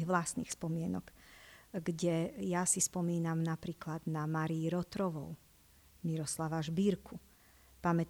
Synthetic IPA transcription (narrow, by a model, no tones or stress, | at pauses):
ɣʋlasnḭːxspɔmɪɛnɔɡ | ɡɟɛjasispɔmiːnamnapɾiːklad̪namaɾiiɾɔt̪ɾɔʋɔ̰ʊ | miɾɔslaʋaʒbiːɾkʰu | pamɛt̪